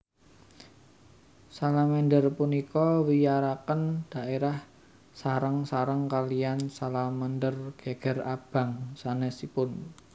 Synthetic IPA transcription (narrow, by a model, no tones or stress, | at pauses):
salaməndərpunikɔwijaɾakənd̥a̤ʔeɾah | saɾəŋsaɾəŋkaliansalaməndərɡ̥eɡ̥ɛ̤rab̥a̤ŋsanɛsipʊn